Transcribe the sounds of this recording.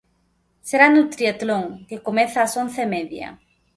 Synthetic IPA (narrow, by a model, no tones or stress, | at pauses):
seɾanut̪ɾiat̪loŋkekomeθaːsõnθemeðja̰